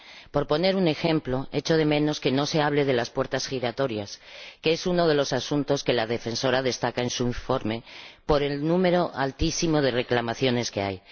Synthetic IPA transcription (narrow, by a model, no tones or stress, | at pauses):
po̞ɾpone̞ɾune̞xe̞mplo̞e̞t͡ʃo̞ð̞e̞mẽ̞no̞ske̞no̞seaβ̞le̞ð̞e̞laspwe̞ɾt̪asxiɾat̪o̞ɾjaskeesuno̞ð̞e̞lo̞sasunt̪o̞ske̞laðe̞fe̞nso̞ɾað̞e̞st̪akae̞nsuiɱfo̞ɾme̞po̞ɾe̞lnũme̞ɾo̞ʔalt̪isimo̞ð̞e̞re̞klamaθjo̞ne̞ske̞a̰j